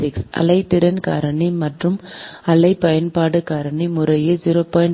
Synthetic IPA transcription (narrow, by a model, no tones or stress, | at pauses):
ɪksʔɐ̰lɐɪt̪ːɪɾɐnka̰ːɾɐɳimɐʈrɯmɐlɐɪpɐjɐnpaːɽɯkaːɾɐɳimʊɾɐjɐd͡ʒiːɾoːpaːjɐn